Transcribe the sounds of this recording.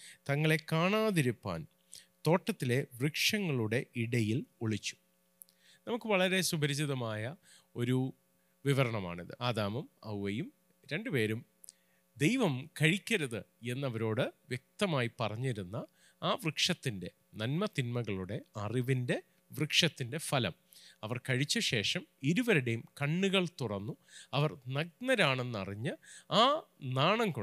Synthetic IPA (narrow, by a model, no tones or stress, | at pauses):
t̪ɐŋːɐɭe̞kaːɳaːðiɾupːa̰ːn | t̪o̞ːʈːɐt̪ːile̞ʋrɨkʂɐŋːɐɭuɽe̞ʔiɽɐjiloɭit͡ɕːu̥ | nɐmukːɨʋɐɭɐɾe̞subɐɾɐd͡ʑiðɐmaːjɐ | o̞ɾu | ʋiʋɐɾɐɳɐma̰ːɳiðɨ̰ʔaːd̪aːmɐmɐ̰wʋɐjum | ɾe̞ɳɖɨpe̞ːɾum | d̪e̞jʋɐmkɐɻikʲːɐɾɐðɨe̞nːɐʋɐɾo̞ːɽɨʋjek̚t̪ɐmaːjipɐrɐɲːiɾunːɐ | aːʋrɨkʂɐt̪ːinde̞ | nɐnmɐt̪inmɐɣɐɭuɽe̞ɐriʋinde̞ | ʋrɨkʂɐt̪ːinde̞fɐlɐm | ɐʋɐrkɐɻit͡ɕːɐɕe̞ːʂɐmiɾuʋɐɾuɽejumkɐɳːuɣɐɭt̪uɽɐnːuɐʋɐrnɐɡ̚nɐɾaːɳe̞nːɐ̰riɲːɨaːnaːɳɐŋko